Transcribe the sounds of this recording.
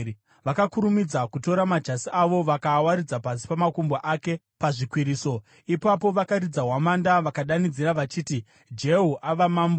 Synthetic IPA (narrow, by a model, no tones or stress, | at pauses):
ʋakakuɾumid͡zakuto̞ɾamad͡ʒasiʔaʋo̞ʋakawaɾid͡zapasi̥pamakumboʔake̞ | paʐikwiɾiːso̞ | ipapo̞ʋakaɾid͡zaɦwamandaʋakaɗanid͡ziɾaʋat͡ʃiːti | d͡ʒe̞ɦuʔaʋamaːmbo